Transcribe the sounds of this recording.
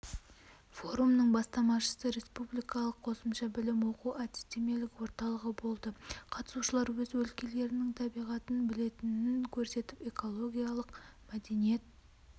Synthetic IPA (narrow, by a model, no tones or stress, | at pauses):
fo̞ɾumnəɴbɑst̪ɑmɑʃə̥səɾe̞spublijkɑlˠəqʰːo̞səmʃɑbɪlɪmwo̞quant̪i̥st̪ʲʰemijelɪkwo̞ɾt̪ɑlˠəʁəbo̞lˠd̪əqʰɑt̪ə̥suʃəlˠɑɾwɵzwɵlkʲe̞le̞ɾɪnɪŋt̪ʰɑbijʁɑt̪ənbɪle̞t̪ɪnɪŋkʲʰɵɾse̞t̪ɪpe̞ko̞lˠo̞ɡʲijɑlˠəqmæd̪e̞nije̞t̪̚